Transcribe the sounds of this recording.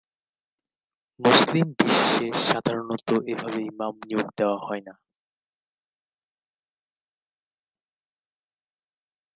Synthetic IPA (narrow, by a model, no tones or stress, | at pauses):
muslimbiʃʃeʃad̪ʱaɾonot̪oʔebʱabejmamniokd̪eoahɔena